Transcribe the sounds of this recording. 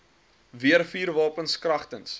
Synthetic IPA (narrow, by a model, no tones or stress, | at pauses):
viərfiːrvɑːpənskrɐχtəns